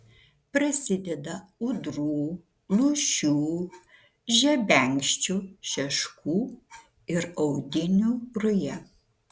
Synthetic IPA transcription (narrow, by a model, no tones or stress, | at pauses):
pɾɐsʲɪd̪ʲɛd̪ɐʊd̪ɾuː | lˠuʃʲuː | ʒʲɛbʲɛŋʲkʃʲt͡ʃʲuʃʲɛʃkuː | ɪɾɔʊd̪ʲɪnʲuːɾʊjɛ